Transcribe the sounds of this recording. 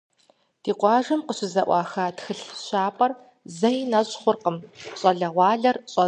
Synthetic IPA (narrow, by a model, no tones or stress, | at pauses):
d̥iːqʷɑːʒɐmqəɕɪzɐʔʷɑːxaːtxɨɬɕaːpʼɐr | zɐjinɐɕʼχʷʊrqəmɕʼɐɮɐʁʷɑːɮɐrɕʼɐ